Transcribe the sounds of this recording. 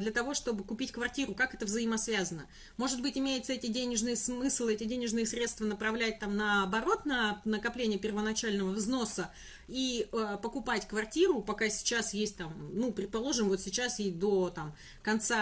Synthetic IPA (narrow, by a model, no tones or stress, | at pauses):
d̪lʲət̪ɐvoʂt̪o̞bɨkʊpʲitʲkvɐrtʲiɾʊkakɛt̪əvzəɪmɐsvʲazənə | mo̞ʐɨd̪bɨtʲɪmʲejɪt̪səɛtʲɪdʲenʲɪʐnɨjəsmɨslˠɛtʲɪdʲenʲɪʐnɨjəsɾʲe̞t̪st̪vənəpɾɐvlʲæt̚ʲt̪amnəːbɐɾo̞t̪nənəkɐplʲenʲɪjəpʲɪrvənɐt͡ɕælʲnəvəvzno̞sə | iəpəkʊpatʲkvɐrtʲiɾʊpɐkasʲɪ̥t͡ɕasjesʲt̚ʲt̪amnupɾʲɪt̪̚pɐlˠo̞ʐɨmvo̞t̪sʲɪt͡ɕased̪o̞t̪am | kɐnt̪sa